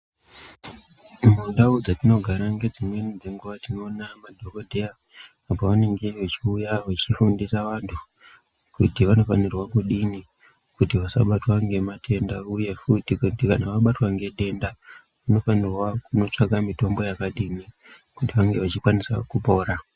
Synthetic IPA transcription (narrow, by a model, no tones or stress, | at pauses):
mundaud͡zatino̞ɡʱaɾaŋɡe̞d͡zimwe̞nid͡zeŋɡuʋatino̞ːnamadʱo̞kodʱeaː | poʋane̞ŋɡe̞ʋet͡ʃiujaʋat͡ʃifundisaʋantʰu | kutiʋano̞fanirwakuɗini | kutiʋasa̰ɓatwaŋɡe̞matʰe̞ndauje̞futikutikanaʋaɓatwaŋɡe̞ɗe̞nda | ʋano̞fanirwakuno̞t͡ʂakamito̞mbo̞jakaɗini | kutiʋaŋɡe̞ʋat͡ʃikwanisa̰kupo̞ːɾa